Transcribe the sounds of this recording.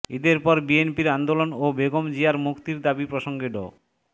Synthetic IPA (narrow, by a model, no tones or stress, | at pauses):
id̪eɾpɔɾbienpiɾand̪olonobeɡomd͡ʑiaɾmukt̪iɾd̪abipɾoʃoŋɡeɖo̰